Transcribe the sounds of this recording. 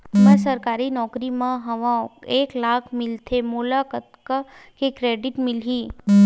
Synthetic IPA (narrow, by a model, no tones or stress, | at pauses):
mə̃səɾkaɾinɔkɾimãɦəʋãeklakʰmɪlt̪ʰemolakət̪kə | kekɾeɖiʈmɪlɦĩ